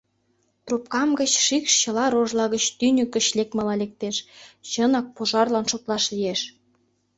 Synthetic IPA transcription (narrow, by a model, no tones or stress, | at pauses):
t̪rop̚kɑmɡə̆t͡ɕʃikʃt͡ɕə̆lɑɾoʒlɑɣət͡ɕt̪ynʲøkə̆ɕlek̚mɑlɑlek̚t̪eʃt͡ɕənɑk̚poʒɑrlɑnʃot̪lɑʃlijeʃ